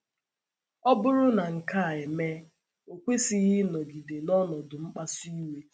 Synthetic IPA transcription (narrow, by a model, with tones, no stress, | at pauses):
ɔ˦bʊ˦ɾʊ˦na˨ŋ̩˨ka˦a˨e˨me˦ | o˨kʷe˦si˨ɣɪ˦nɔ˨ɡi˨de˨nɔ˦nɔ˨dʊ˨ŋ͡m̩˦k͡pa˦si˦we˦